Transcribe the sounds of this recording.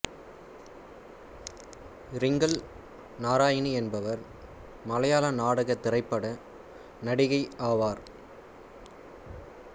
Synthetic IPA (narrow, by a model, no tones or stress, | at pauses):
ɾɪŋɡɐl | naːɾaːjɪniɛnbɐʋɐɾ | mɐlɐjaːlɐnaːɽɯɣɐt̪ːɪrɐɪpːɐɽɐ | nɐɽɪɣɐɪaːʋaːɾ